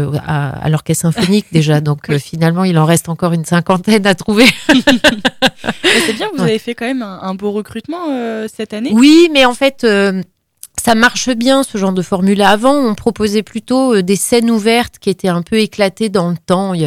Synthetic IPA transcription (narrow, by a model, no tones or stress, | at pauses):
a̰a̰lɔʁkɛsɛ̃fɔnik̚d̪eʒad̪ɔ̃kʰøfinalmɑ̃ilɑ̃ʁɛst̪ɑ̃kɔʁynsɛ̃kɑ̃t̪ɛnat̪χuve | ɛsɛbjɛ̃kəvuzavefɛkɑ̃mɛmɛ̃ʔɛ̃boʁəkχyt̪mɑ̃øsɛt̪anewimɛɑ̃fɛt̪ø | samaʁʃəbjɛ̃səʒɑ̃ʁd̪əfɔʁmylaːvɑ̃ɔ̃pχɔpozɛplyt̪oød̪esɛnuvɛʁt̪kʲiet̪ɛɛ̃pʰøeklat̪ed̪ɑ̃lət̪ɑ̃